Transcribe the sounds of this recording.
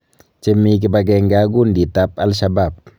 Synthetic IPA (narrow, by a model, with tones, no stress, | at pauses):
t͡ʃe˧mi˧k̬e˧ba˧ɡ̬ɛ˧ŋɡaː˧˦ɡu˦˨ndi˨t̪a˧p̚a˧lʃa˧ba˦˨p̚